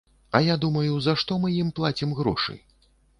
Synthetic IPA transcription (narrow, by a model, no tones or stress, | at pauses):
ɐjad̪umɐjuzɐʂt̪ɔmɨjimplˠat͡sʲimɣɾɔ̰ʂɨ̰